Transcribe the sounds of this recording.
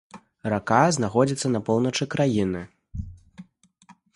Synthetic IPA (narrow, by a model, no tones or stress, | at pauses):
rakaznaxɔd͡zʲit̪sːɐnɐpɔwnɐt͡ʂɨkɾajinɨ